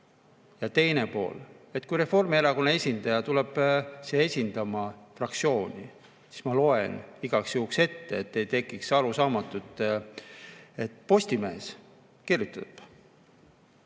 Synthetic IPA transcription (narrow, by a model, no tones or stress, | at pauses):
jɑt̪e̞jne̞po̞̰ːle̞t̪ːˑkujɾe̞fo̞rmieɾɑkonee̞sʲind̪̥ɑjɑt̪ulɛb̥seesʲind̪̥ɑmɑfrɑkt̪sio̞ːnʲi | si̥smɑlo̞e̞niɡ̥ɑksjuːkse̞t̪ːeːt̪ːejt̪e̞kːˑiksɑɾusɑːmɑt̪ːˑut̪ː | e̞t̪ːˑpo̞sʲt̪ime̞ːs | kirjut̪ːˑɑt̪b̥